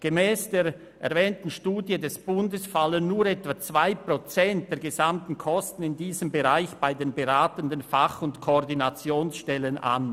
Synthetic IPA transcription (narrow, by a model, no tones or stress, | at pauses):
ɡ̥emɛːsd̥eːɾ | ɛɐvɛːntn̩ʃtuːdjədɛsb̥ʊndəsfalənːuːɾɛtv̥at͡sv̥aɪpʁ̥ot͡sɛnt̚d̥eːɐɡezamtn̩kʰɔstn̩ɪndiːzəmbeʁaɪçb̥aɪdeːnbeʁaːtəndənfaχʊntkʰoːʁdinat͡sjoːnsʃtɛləna̰n